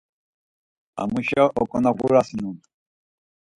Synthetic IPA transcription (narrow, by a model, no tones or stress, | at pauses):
a̰muʃaʔɔkɔnaɡʷuɾasinun